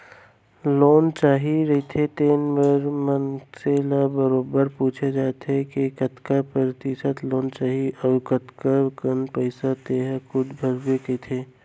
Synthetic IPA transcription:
loːnt͡ʃaːɦiɾɐit̪ʰet̪eːnmeɾmənseːlabəɾoːbəɾpuːt͡ʃʰed͡ʒaːt̪ekekət̪kapəɾɪt̪isət̪loːnt͡ʃaːɦiʔɔːɾkɐt̪kakənpəɪsat̪eːɦkʊd̪bʱɐɾbekəit̪ʰeː

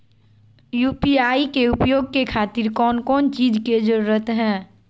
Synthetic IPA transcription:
juːpiaːikeʊpjoːɡ̚kekʰaːt̪iɾkɔːnkɔːnt͡ʃiːd͡ʒked͡ʒəɾuɾət̪ɦɛ̃ː

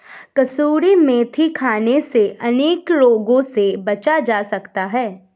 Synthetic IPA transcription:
kɐsuːɾimẽt̪ʰikʰaːneseʔɐneːkloːɡõsebɐt͡ʃad͡ʒaːsɐkt̪aɦɛː

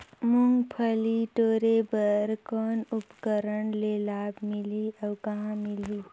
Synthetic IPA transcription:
mʊŋɡpʰəliʈoːɾebəɾkɔːnʊpkəɾəɳlelaːbmɪliʔɔːkɐɦãmɪli

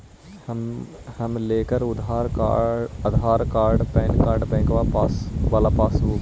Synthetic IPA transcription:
mhɐmleːkəɾʊd̪aːɾ | ɐd̪ʱɦaːɾkaːɾɖpɛ̃ːnkaːɾɖpɛ̃ːkʋapaːsʋaːlapaːsoː

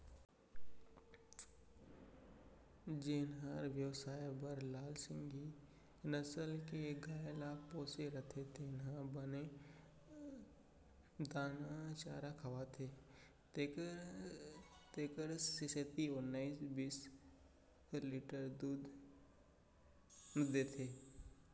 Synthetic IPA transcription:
d͡ʒeːnɦaɾʋjəwsaːjbəɾlaːlsɪ̃ŋɡi | nəsəlkeɡaːjlapoːseɾət̪ʰet̪enɦãbəne | d̪aːnat͡ʃaːɾakʰɐʋat̪ʰe | t̪eːkəɾsiset̪iʊnːaisbiːs | liːʈəɾd̪uːd̪ | nʊd̪et̪ʰeː

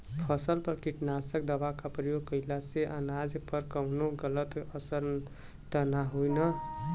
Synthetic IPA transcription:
pʰʌsʌlpʌrkiʈnasʌk̚d̪ʌbakaprʌjoɡkʌjlaseʔʌnad͡zpʌrkʌwnoɡʌlʌt̪ʌsʌɾ | t̪ʌnaɦojnʌ

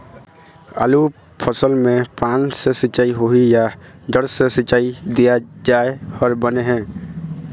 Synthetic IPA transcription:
a̰lu | pʰəsəlmẽpaːnsẽsɪt͡ʃːaːiɦoɦijad̪əɽsẽsɪt͡ʃːaːid̪ijad͡ʒaːeɔːɾbəneɦɛ̃ː

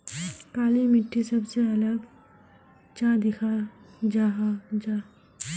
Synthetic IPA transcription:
kaːlimɪʈʰːisɐbseɐləɡ | t͡ʃãd̪ɪkʰad͡ʒaːɦad͡ʒaː

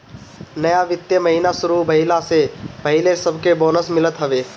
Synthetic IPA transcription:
nɐjaʋɪt̪jəməɦiːnasʊɾubʱɐɦilasepɐɦilesɐbʱkeboːnəsmɪlət̪ɦɐʋeː

